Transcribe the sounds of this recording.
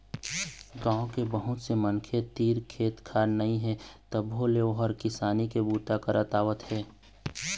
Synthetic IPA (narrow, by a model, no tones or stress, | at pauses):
ɡãːõkebəɦʊt̪semənkʰet̪iːɾkʰeːt̪kʰaːɾnɐĩɦɛt̪əbɦoleoɦɔɾkɪsaːnikebuːt̪akəɾʔət̪aːʋət̪hɛː